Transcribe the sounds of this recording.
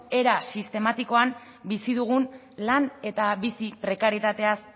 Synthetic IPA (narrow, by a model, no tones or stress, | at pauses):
e̞ɾasist̪e̞mat̪iko̞am | bisiðuɣ̞un | lane̞t̪aβisipɾe̞kaɾjet̪at̪e̞as